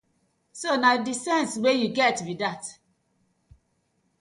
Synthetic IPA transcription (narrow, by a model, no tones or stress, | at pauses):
sonadisɛ̃nswejuɡɛtbidat